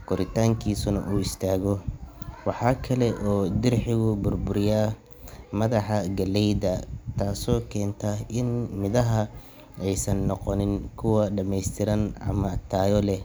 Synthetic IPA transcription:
kʊɾɪt̪ʰaːŋkʰiːsʊnɐ̰ʔuːɪst̪ʰaːɣɔwɑħɑːkʰɐlɛʔɔːd̪ɪrħɪɣʊbʊrbʊɾjaː | mɐðɑħɑɡɐlɛjdɐt̪ʰaːsɔːkʰɛːnt̪ʰɐɪnmɪðɐɦɐ | ɛjsɐnːɔqɔnɪnkʰʊwɐɖɐmɛjst̪ʰɪɾɐnʔɐ̰mɐt̪ʰaːjɔlɛh

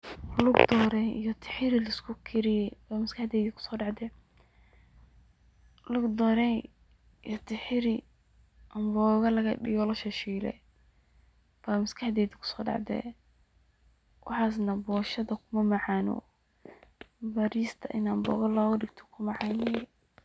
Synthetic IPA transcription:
lʊɡd̪ɔːɾɛjḭjɔt̪ʰɪ̥ħɪɾɪlɐskʰʊkʰɪɾɪjɛbaːmɐskʰɐħd̪ɛːðɪkʰʊ̥sɔːɖɑʕd̪ɛ | lʊɡd̪ɔːɾɛj | ijɔt̪ʰɪħɪɾɪ | ʔɐmbɔːɣɐlɐɣɐɖɪ̰ɣɔlɐʃɐʃiːlɛ̰ | b̥amɐskʰɐħd̪ɛːd̪ɪkʰʊ̥sɔːɖɑ̰ʕd̪ɛ̰ | wʔɑ̰ħɑːs̬nɐbɔːʃɐðɐkʰʊmɐmɑʕɑːnɔ̰ | bɐɾiːst̪ʰɐʔɪnaːmbɔ̰ːɣɐlaːwɐɖɪɡt̪ʰɔ̥kʰʊmɑʕɑːnɛj

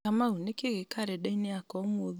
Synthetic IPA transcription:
kamaunekeɣekaɾɛɗɛineakɔmoð

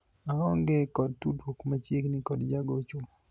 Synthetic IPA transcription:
aɔŋɡekɔd̚tudwokmat͡ʃjeknikɔdd͡ʒaɡot͡ʃu

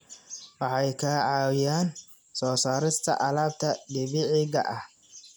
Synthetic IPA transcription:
wɑħɑjkʰɐʕɑːwɪjaːn | sɔːsaːɾɪst̪ʰɐ̰ʔɐlaːbt̪ʰɐd̪ɪβɪʕiːɣɐʔɐh

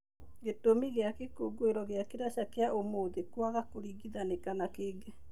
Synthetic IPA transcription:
ɡetomiɣeakekoɡoeɾɔɣeakeɾaɕakeaʔomoðekwaɣakoɾiɣiðanekanakeːɡe

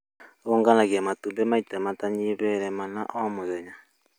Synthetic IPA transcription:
oŋɡanakiɛmatudɛmaitamataɲiβɛɾɛmanaʔɔamʊzɛɲa

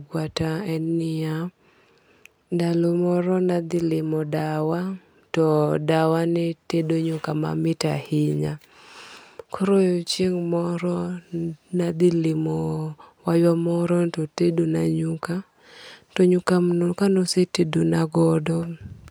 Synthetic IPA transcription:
ɡwataɛnːɪa | dalɔmɔɾɔnad̪ɪlɪmɔdawa | tɔdawanɪtedoɲukama̰mɪtahɪɲa | kʰɔɾojot͡ʃiŋmɔɾɔ | nad̪ɪlɪmɔwajwamɔɾɔntɔtedonaɲuka | tɔɲukamnokanɔsetedonaɡɔdɔ

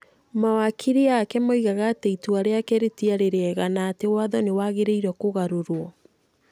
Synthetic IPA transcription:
mawakʰiɾiaːkɛmaiɣaɣateituaɾeakɛɾetiaɾeɾeɛɣanaːtewaðɔnewaɣeɾeiɾɔkoɣaɾoɾwɔ

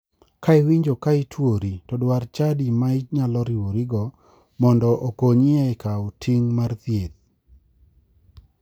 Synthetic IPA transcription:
kaɪwiɲd͡ʒokaɪtʰwoɾitɔdwart͡ʃadimaɪɲalɔɾiwoɾiɡɔ | mɔndɔʔokoɲɪɛkaʊtʰiŋmart̪jet̪

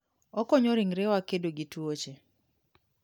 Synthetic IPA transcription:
ɔkɔɲoɾiŋɾɛwakedoɡitwot͡ʃe

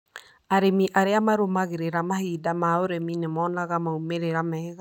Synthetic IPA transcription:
aɾemiʔaɾeamaɾomaɣeɾeɾamahiːdamaoɾeminemɔːnaɣamaumeɾeɾamɛɣa

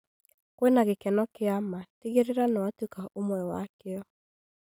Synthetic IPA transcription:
kwenaɣekɛnɔkeamateɣeɾeɾanɔatukaʔomwɛwa̰keɔ

